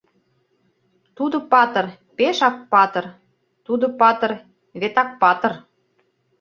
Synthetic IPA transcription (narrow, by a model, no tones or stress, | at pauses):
t̪ud̪ŏpɑt̪ə̆r | peʃɑk̚pɑt̪ə̆r | t̪ud̪ŏpɑt̪ə̆r | βet̪ɑk̚pɑt̪ə̆r